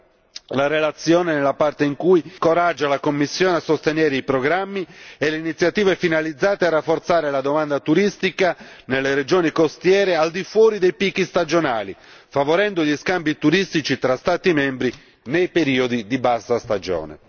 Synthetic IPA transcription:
laɾelat̪sːjɔːnenelːapart̪eiŋkujkoɾad͡ʒːalakomːisːjɔːneasost̪enɛːɾeipɾɔɡɾamːiɛleinit̪sjat̪iːvefinalid̪zːaːt̪earːafːoɾt̪saːɾelad̪omand̪at̪uɾist̪ikanelːeɾed͡ʒɔːnikost̪jɛːɾeald̪ifwɔːɾid̪ejpikːist̪ad͡ʒonaːli | favoɾɛnd̪oʎiskambit̪uɾist̪it͡ʃit̪ɾast̪aːt̪imɛmbɾi | nejpeɾiːod̪id̪ibast̪ast̪ad͡ʒɔ̰ːnḛ

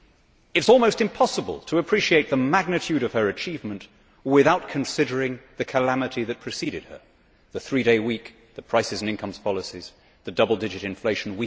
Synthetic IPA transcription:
ɨtzɔlˠmoʊstɨ̃mpʰɑsəbə̰lˠtʰəəpʰɹ̥iʃieɪt̪̚ðəmæɡ̚nɨtʰʉɾʌv̥ə˞ɨt͡ʃʰivmɨ̃nʔ | wɪðaʊt̚kʰɨ̃nsɪɾə˞ɪ̃ŋðɨkʰəlæmɨɾiðɨt̚pʰɹ̥ɨsiɾɨd̚ə̰˞ | ðɨθɹiɾeɪwik | ðɨpʰɹ̥aɪsɨznɪ̃nkʰʌ̃mz̥pʰɑlˠəsiz̥ | ðɨdʌbl̩ˠdɪd͡ʒɨɾɨ̃ɱfleɪʃn̩wi

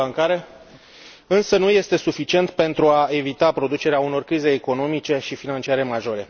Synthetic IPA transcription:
aŋkaɾe̞ | ɨnsənuje̞st̪e̞sufit͡ʃie̞nt̪pe̞nt̪ɾuae̞vit̪apɾo̞d̪ut͡ʃe̞ɾeauno̞rkɾize̞ːko̞no̞mit͡ʃe̞ʃifinant͡ʃiaɾe̞maʒo̞ɾe̞

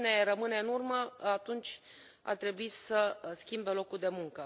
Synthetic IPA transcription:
ne̞rəmɨne̞ɨnurməat̪unt͡ʃʲ | a̰rt̪ɾe̞buisəskʲimbe̞lo̞kurd̪e̞muŋkə

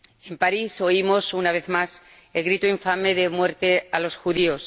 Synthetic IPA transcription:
e̞mpaɾiso̞imo̞sunaβ̞e̞θmas | e̞lɣɾit̪uiɱfame̞ðe̞mwe̞ɾt̪e̞alo̞sxuðio̞s

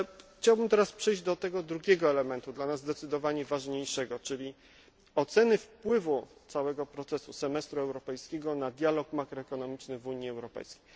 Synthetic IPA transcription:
xt͡ɕawbɘmt̪ɛɾaspʂɛjʑd͡ʑd̪ɔt̪ɛɡɔd̪ɾuɡʲɛɡɔɛlɛmɛnt̪ud̪lanazːd̪ɛt̪sɘd̪ɔvaɲɛvaʐɲejʂɛɡɔt͡ʂɘlʲi | ɔt̪sɛnɘfpwɘvut̪sawɛɡɔpɾɔt̪sɛsusɛmɛst̪ɾuɛwɾɔpɛjskʲɛɡɔnad̪ʲjalɔkmakɾɔɛkɔnɔmʲit͡ʂnɘvuɲiɛwɾɔpɛ̰jskʲejj

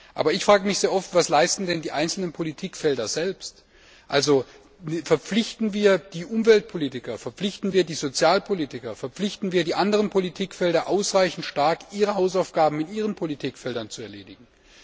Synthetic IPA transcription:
ʔa̰ːbɐɪçfʁ̥aːɡəmɪçz̥eːɐʔɔftv̥aslaɪstn̩dɛndiːʔaɪnt͡sl̩nənpʰolitʰiːkfɛldɐzɛlpst | ʔalzo | fɛɐp͡flɪçtn̩viːɐd̥iːʔʊmvɛlt̚pʰoliːtɪkɐfɛɐp͡flɪçtn̩viːɐdiːzot͡sjaːlpʰoliːtɪkɐfɛɐp͡flɪçtn̩viːɐdiːʔandəʁənpʰolitʰiːkfɛldɐʔaʊsʁaɪçn̩tʃtaɐkʔiːʁəɦaʊsaʊfɡ̥aːbm̩ɪtʔiːʁ̞ənpʰolitʰiːkfɛldɐnt͡suɛɐleːdɪɡŋ̩

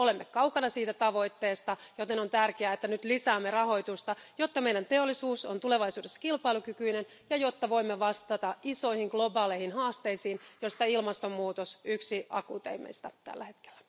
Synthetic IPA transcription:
olemːekɑwkɑnɑsiːt̪æt̪ɑʋo̞it̪ːeːst̪ɑjot̪enont̪ærkeæet̪ːænyt̪lisæːmːerɑho̞jt̪ust̪ɑjot̪ːɑmeijdænt̪eolːisuːso̰nt̪uleʋɑijsuːdesːɑ̥kilpɑilukykyinen | jɑjot̪ːɑʋo̞imːeʋɑst̪ɑt̪ɑiso̞ihiŋɡ̥lo̞bɑːleihinhɑːst̪eisiːnjost̪ɑilmɑst̪omːuːt̪osyksiɑ̰kuːt̪ḛimḛist̪æt̪æ̰lːæhe̞t̪ke̥lːæ̥

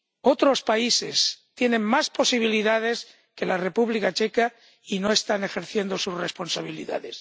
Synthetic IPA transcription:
o̞t̪ɾo̞spaisḛst̪je̞nẽ̞ŋmaspo̞siβ̞iliðað̞e̞s | ke̞lare̞puβlikat͡ʃe̞ka | ino̞e̞st̪ane̞xe̞ɾθje̞nd̪o̞suzre̞spo̞nsaβ̞ilḭða̰ðe̞s

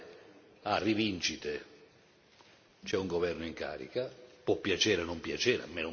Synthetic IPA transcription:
arivint͡ʃit̪e | t͡ʃɛuŋɡɔvɛrnʊiŋka̰ːɾḭkapɔpːjat͡ʃɛːɾɛnʊmpjat͡ʃɛːɾa̰mɛn

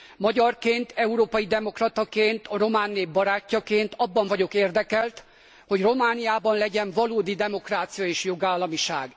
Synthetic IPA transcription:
mɒɟɒrkeːnt̪ɛuɾoːpɒjid̪ɛmo̞krɒt̪ɒkeːnt̪ɒro̞maːnːeːbːɒɾaːcːɒkeːnt̪ɒbːɒɱvɒɟo̞keːrd̪ɛkɛlt̪ | ho̞ɟro̞maːnijaːbɒnlɛɟɛɱvɒloːd̪id̪ɛmo̞kraːt̪sijɒeːʃjo̞ɡaːlːɒmiʃaːɡ

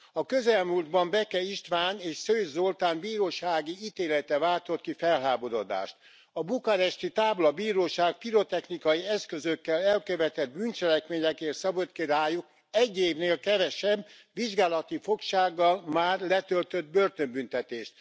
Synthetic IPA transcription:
ɒkøzɛlmuːld̪bɒmbɛkɛiʃt̪ʋaːneːʃsøːzolt̪aːmbiːɾoːʃaːɡiit̪eːlɛt̪ɛvaːlt̪o̞t̪̚kifɛlɦaːbodo̰d̪a̰ːʃt̪ | ɒbukɒɾɛʃt̪it̪aːblɒbiːɾoːʃaːk̚piɾot̪ɛxnikɒjiɛskø̞zøkːɛlɛlkøvɛt̪ɛd̪̚bynt͡ʃɛlɛkmeːɲɛkeːrsɒbot̪kiɾaːjuk | ɛɟːeːvneːlkɛvɛʃɛb | ʋiʒɡaːlɒt̪ifo̞kʃaːɡːɒlmaːrlɛt̪ølt̪ød̪̚bø̞rt̪ømbynt̪ɛt̪eːʃt̪̚

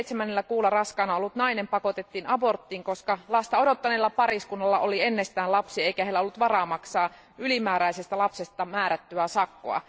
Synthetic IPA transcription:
it̪semænːelːækuːlɑrɑskɑːnɑolːut̪nɑinempɑko̞t̪et̪ːiːnɑbo̞rt̪ːiːŋkoskɑlɑst̪ɑodot̪ːɑneːlːɑpɑɾiskunːɑlːɑʔolienːest̪æːnlɑpsiɑeikæhelːæolːut̪ʋɑrɑːmɑksɑː | ʔylimæːɾæisest̪ælɑpsest̪ɑmæːɾæt̪ːyæsɑkːo̰ɑ̰

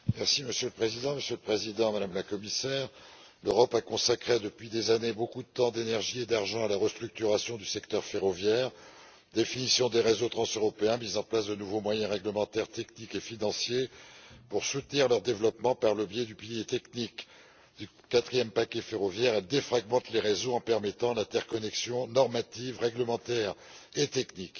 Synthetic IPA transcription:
mɛʁsiməsjøləpχezid̪ɑ̃məsjøləpχezid̪ɑ̃mad̪amlakɔmisɛːʁ | løʁɔpakɔ̃sakχed̪əpɥid̪ezanebokud̪ət̪ɑ̃d̪enɛʁʒied̪aʁʒɑ̃alaʁəst̪χyk̚t̪yʁasjɔ̃d̪ysɛkt̪œʁfeʁɔvjɛːʁ | d̪efinisjɔ̃d̪eʁezot̪χɑ̃søʁɔpeɛ̃mizɑ̃plasd̪ənuvomwajɛ̃ʁɛɡləmɑ̃t̪ɛʁt̪ɛknikefinɑ̃sjepuʁsut̪niʁlœʁd̪evlɔpmɑ̃paʁləbjɛd̪ypiljet̪ɛknik | d̪̥y | kat̪χijɛmpakʲefeʁɔvjɛʁɛld̪efχaɡmɑ̃t̪leʁezoɑ̃pɛʁmɛt̪ɑ̃lɛ̃t̪ɛʁkɔnɛksjɔ̃nɔʁmat̪ivʁɛɡləmɑ̃t̪ɛʁet̪ɛknik

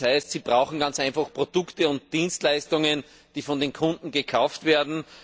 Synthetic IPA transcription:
haɪstsiːb̥ʁaʊxn̩ɡant͡saɪnfaxpʁ̥od̥ʊktəʊnt̚d̥iːnstlæɪstʊŋən | d̥iːfɔndeːnkʰʊ̃ndn̩ɡəkʰaʊftv̥eːɐdn̩

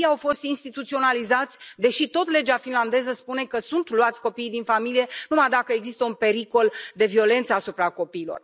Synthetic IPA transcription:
jawfo̞st̪inst̪it̪ut̪sio̞nalizat̪sʲd̪e̞ʃit̪o̞t̪le̞d͡ʒafinland̪e̞zəspune̞kəsunt̪luat̪sʲko̞piːjd̪infamilije̞numajd̪akəeɡzist̪əunpe̞ɾiko̞ld̪e̞vio̞le̞nt̪səasupɾako̞piːlo̞̰r

